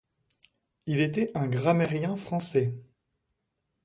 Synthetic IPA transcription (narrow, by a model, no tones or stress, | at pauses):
ilet̪ɛɛ̃ɡʁameʁjɛ̃fχɑ̃sɛ